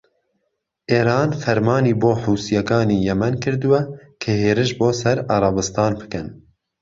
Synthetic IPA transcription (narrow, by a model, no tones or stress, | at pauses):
ʔeːɾɑːnfɛɾmɑːniːboːħuːsijɛkɑːniːjɛmɛnkʰɨɾd̪uwɛkʰɨheːɾɨʃboːsɛɾɑɾˤɑbɨst̪ɑːnbɨ̥kɨn